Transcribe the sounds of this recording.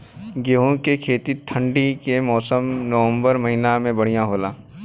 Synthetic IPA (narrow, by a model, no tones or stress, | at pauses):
ɡeːɦõkekʰeːt̪it̪ʰə̃ɳɖikemɔːsəmnəʋə̃mbəɾmɐɦinamẽbɐɽ̤ijãɦoːlaː